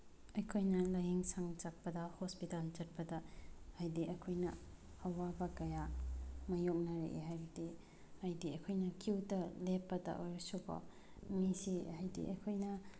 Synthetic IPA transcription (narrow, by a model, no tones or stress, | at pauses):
ɐjkʰojnɐlɐjɦiŋsaŋt͡ʃak̚pɐdɐhospitalt͡ʃɐt̚pɐdɐhajdiʔɐkʰojnɐ | ɐwabɐkɐjamɐjok̚nɐɾḛʔɦajbidi | hajdiɐkʰojnɐkʰiwtɐlepːɐdɐ̰ʔojɾɐsukʰo̰ | misihajdḭʔɐ̰kʰojnɐ